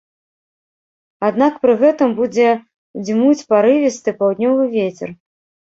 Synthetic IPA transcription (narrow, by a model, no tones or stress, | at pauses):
ad̪nakpɾɨɣɛt̪ɨmbud͡zʲɛ | d͡zʲmut͡sʲpaɾɨvʲist̪ɨpawd̪ʲnʲɔvɨvʲet͡sʲɛ̰r